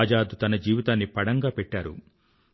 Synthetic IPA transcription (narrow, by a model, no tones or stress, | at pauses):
d͡ʒaːd̪ut̪ɐnɐd͡ʒiːʋit̪aːnːipɐɽɐŋɡaːpɛʈːaːɾṵ